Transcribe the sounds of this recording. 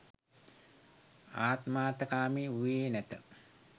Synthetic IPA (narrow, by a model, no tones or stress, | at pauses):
aːt̪maːt̪ɐkaːmiueːnɛt̪ə